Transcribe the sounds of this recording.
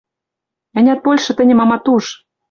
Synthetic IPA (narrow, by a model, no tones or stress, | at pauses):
ɘ̆nʲæt̪̚polʲʃɤ̆t̪ɘ̆nʲɘ̆mɑmɑt̪uʃ